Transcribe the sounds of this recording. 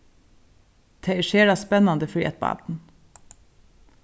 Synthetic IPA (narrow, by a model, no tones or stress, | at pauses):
t̪ʰeɪʃeːɖɑːspɛnɑnd̪əfɹḭːʔɛ̰t̪̚bɑ̰ːtn̩